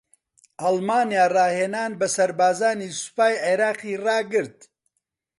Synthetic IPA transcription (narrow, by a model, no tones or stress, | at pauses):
ʔɐlmaːnjaːrɑːheːnaːnbɐsɐɾbaːzaːniːsʊ̥paːjʕeɾaːqiːrɑːɡɨɾt̪̚